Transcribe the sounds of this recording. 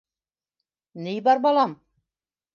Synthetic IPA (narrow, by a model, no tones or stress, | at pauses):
nijbɑɾbɑlˠɑm